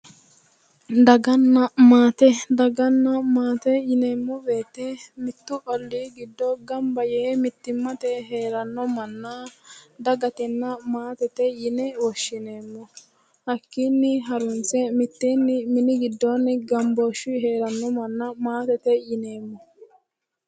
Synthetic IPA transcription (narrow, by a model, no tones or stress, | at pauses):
d̪ɐɡɐnːɐmaːt̪ɛd̪ɐɡɐnːɐmaːt̪ɛjɪneːmːɔbe̞ːt̪ːɛmɪt̪ːʊkʼɔlːiːɡɪd̪ːɔɡɐmbɐjɛːmɪt̪ːɪmːɐt̪ɛɦeːɾɐnːɔmɐnːɐd̪ɐɡɐt̪ɛnːɐmaːt̪ɛt̪ɛjɪnɛwɔʃːɪneːmːɔ | hɐkːiːnːɪɦɐɾʊnt͡sɛmɪt̪ːiːnːɪmɪnɪɡɪd̪ːonɪɡɐmboːʃɪɦe̞ːɾɐnːɔmɐnːɐmaːt̪ɛt̪ɛjɪneːmːɔ